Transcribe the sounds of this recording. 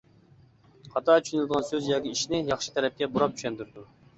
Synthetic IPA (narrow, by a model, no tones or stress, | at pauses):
qʰɑt̪ɑt͡ʃʰy̥ʃynlɨd̪əʁɑnsøzjɑːkʲiiʃnɪjɑχʃɨ̥t̪ʰɛɾɛp̚kʲɛbuɾɑp̚t͡ʃʰy̥ʃɛnd̪yɾd̪u